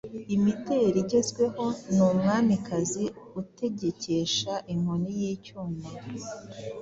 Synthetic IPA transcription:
imite̞ɾiɟe̞zɡwe̞ho̞nuːmŋaːnikaziute̞ɟe̞ce̞ʃaʔiŋ̥onijiːcoːmeɾo

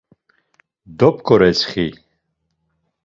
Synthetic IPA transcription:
d̪ɔp̚ʰʼkʰɔɾɛt͡sχi

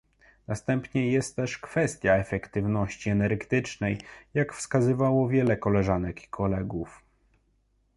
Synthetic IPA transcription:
nast̪ɛmpɲɛjɛst̪ːɛʂkfɛst̪ʲjaɛfɛkt̪ɘvnɔɕt͡ɕiɛnɛɾɡt̪ɘt͡ʂnɛjjakfskazɘvawɔvʲjɛlɛkɔlɛʐanɛki̥kʰɔlɛɡuf

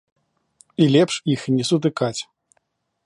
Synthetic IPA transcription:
ilʲɛpʂixnʲɛsut̪̬ɨkat͡sʲ

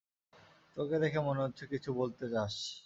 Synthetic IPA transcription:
t̪oked̪ɛkʰemoneɦotːɕʰekit͡ɕʰubolt̪et͡ɕaʃ

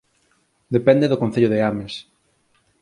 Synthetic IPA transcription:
d̪epɛnd̪eðokõn̟θeʎoðeames

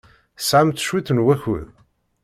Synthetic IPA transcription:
sʕamt̪ʃwiθənwæçʊ̰ð

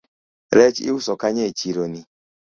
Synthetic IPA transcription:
ɾet͡ʃḭwusɔkaɲet͡ʃiɾoni

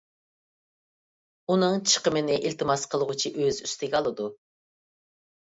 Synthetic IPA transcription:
unɨŋt͡ʃʰə̥qəmɪnɪʔilt̪ʰɨmɑsqʰəlˠəʁʊt͡ʃʰiʔøzyst̪ɪɡʲɛɑlˠɨd̪u

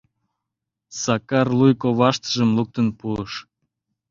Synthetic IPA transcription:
sɑkɑrlujkoβɑʃt̪əʒəmluk̚t̪ənpuəʃ

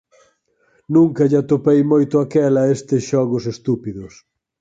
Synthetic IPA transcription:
nũŋkɐʎat̪opejmojt̪ʊakɛlɐest̪ɪsʃɔɣʊsest̪upiðʊs

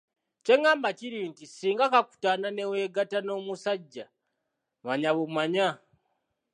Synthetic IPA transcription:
t͡ʃe̞ŋaːmbat͡ʃiɾiːntisiːŋɡakaku̥tanane̞we̞ɡatano̞musaɟːa | βaɲaβomwaɲa

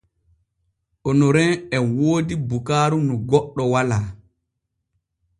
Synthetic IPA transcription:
ʔɔnɔɾɛnɛwoːdibukaːɾunɔɡɔɗːɔwalaː

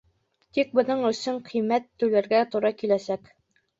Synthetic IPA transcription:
t̪ik̚bɤ̆nɤɴɵ̆sɵɴqʰijmæt̪ːɘ̆wlæɾɡæt̪oɾɑkilæsæk

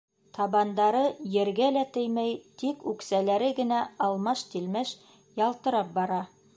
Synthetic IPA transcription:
t̪ʰɑβɑnd̪ɑɾɤjɘ̆ɾɡælæt̪ɘjmæjt̪ikʉksælæɾɘɡɘ̆næɑlˠmɑʃt̪ilmɘʃ | jɑlˠt̪ɤ̆ɾɑp̚bɑɾɑ

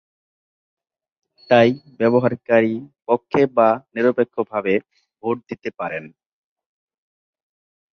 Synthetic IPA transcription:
t̪ajbɛboɦaɾkaɾipokʰːebaniɾopekʰːobʱabe | bʱoʈ̚d̪it̪epaɾen

